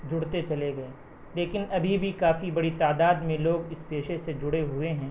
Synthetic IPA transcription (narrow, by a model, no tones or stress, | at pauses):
d͡ʒʊɽt̪et͡ʃɐleɡɐe | leːkɪnɐbʱibʱikaːfibɐɽit̪aːd̪aːd̪mẽloːɡɪspeːʃesed͡ʒʊɽeɦʊeɦɛ̃ː